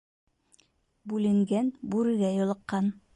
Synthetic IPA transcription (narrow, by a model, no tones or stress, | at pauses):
bʉlɘ̆ŋɡænbʉɾɘ̆ɡæjŏlˠɤ̆qːɑn